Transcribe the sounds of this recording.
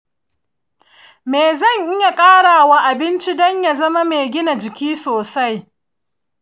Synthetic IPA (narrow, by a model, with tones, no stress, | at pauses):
meː˨zɐ˦˨ɲʔɪ˦ja˨kʼaː˦ɽaː˨wa˦ʔa˨bɪ˦nt͡ʃi˦dɔ˦ɲja˨zɐ˦ma˦meː˨ɡʲɪ˦na˨d͡ʒɪ˨kʲiː˦soː˨sa˦j